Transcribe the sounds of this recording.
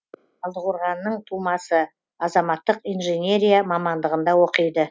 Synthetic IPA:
ɑlˠd̪əʁʊɾʁɑnːəɴt̪ʰumɑsə | ɑzɑmɑt̪ːəqijnʒenʲe̞ɾʲijamɑmɑnd̪əʁənd̪ɑwo̞qəjd̪ə

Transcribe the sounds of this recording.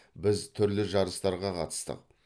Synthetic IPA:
bɪzt̪ʰʏɾlɪʒɑɾəst̪ɑɾʁɑqʰɑ̰t̪ə̥st̪ə̰q̚

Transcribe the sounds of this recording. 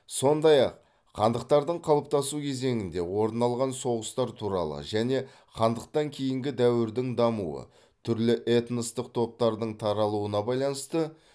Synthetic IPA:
so̞nd̪ɑjɑq | qʰɑnd̪əq̚t̪ɑɾd̪əɴqʰɑlˠəp̚t̪ɑsukʲʰe̞ze̞ŋɪnd̪e̞wo̞ɾnɑlˠʁɑnso̞ʁəst̪ɑɾt̪ʰuɾɑ̰lˠə̰ʒæne̞ | qʰɑnd̪əq̚t̪ɑŋkʲʰe̞jɪŋɡʲɪd̪æwɪɾd̪ɪŋd̪ɑmṵwə̰ | t̪ʰʏɾlɪʔe̞t̪nəst̪əq̚t̪ʰo̞p̚t̪ɑɾd̪əɴt̪ʰɑɾɑlˠuənɑbɑjlˠɑnəst̪ə

